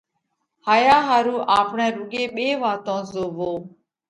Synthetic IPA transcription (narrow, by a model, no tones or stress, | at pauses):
haːjaːɦaːɾuːʔaːpɳɛ̃ːɾʊɡeːɓeːʋaːt̪õːzoːʋoː